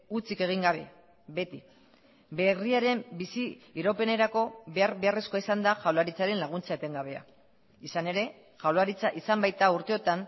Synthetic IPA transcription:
ut͡sike̞ɣ̞iŋɡaβ̞e̞ | be̞t̪i | be̞riaɾe̞mbisiiɾope̞ne̞ɾako̞e̞aɾβe̞aresko̞aisand̪aʝawlaɾit͡saɾe̞nlaɣ̞unt͡saet̪e̞ŋɡaβ̞e̞a̰ | isane̞ɾe̞ | ʝawlaɾit͡saʔisambajt̪auɾt̪e̞o̞t̪an

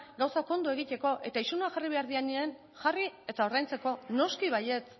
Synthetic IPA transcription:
ɡawsako̞nd̪ue̞ɣ̞it̪e̞ko̞ʔe̞̰t̪aisunoaʝariβe̞aɾðianien | ʝarie̞t̪ao̞ɾðajnt͡se̞ko̞no̞skiβ̞aje̞t͡s

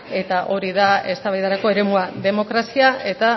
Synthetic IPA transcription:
e̞t̪aʔo̞ɾiðae̞st̪aβajðaɾako̞e̞ɾe̞muaðe̞mo̞kɾasiae̞t̪a

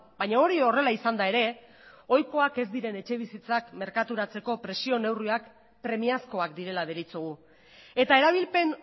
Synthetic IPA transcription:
bajɲao̞ɾio̞re̞laisand̪ae̞ɾe̞ | o̞jko̞ake̞zd̪iɾe̞ne̞t͡ʃe̞β̞isit͡sakme̞ɾkat̪uɾat͡se̞ko̞pɾe̞sio̞ne̞wriak | pɾe̞miasko̞akd̪iɾe̞laðeɾit͡suɣu | e̞t̪ae̞ɾaβ̞ilpe̞n

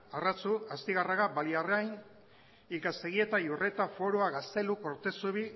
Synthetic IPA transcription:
arat͡suast̪iɣaraɣabaliareajn | ikase̞ɣ̞ie̞t̪ajure̞t̪afo̞ɾoaɣast̪e̞luko̞ɾt̪e̞suβi

